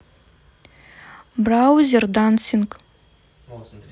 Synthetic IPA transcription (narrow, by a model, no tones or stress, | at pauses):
brawzʲerd̪ansiŋk